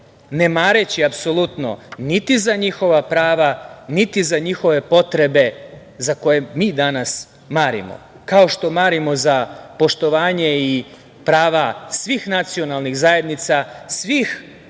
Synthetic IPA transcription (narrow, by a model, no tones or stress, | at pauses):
ne̞maːɾet͡ɕiapso̞lut̪no̰nit̪izaɲixo̞ʋapɾaːʋanit̪izaɲixo̞ʋe̞po̞t̪ɾe̞be̞ | zako̞jemiːd̪anas | maːɾḭmo̰ | kao̞ʃt̪o̞maːɾimo̞zapo̞ʃt̪o̞ʋaːɲe̞i | pɾaːʋasʋiːxnat̪sio̞nalˠnixzaje̞d̪nit̪sasʋix